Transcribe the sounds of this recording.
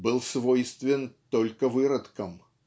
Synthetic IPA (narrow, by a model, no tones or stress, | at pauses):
bɨlˠsvojst̪vʲɪnt̪olʲkəvɨɾɐt̪kəm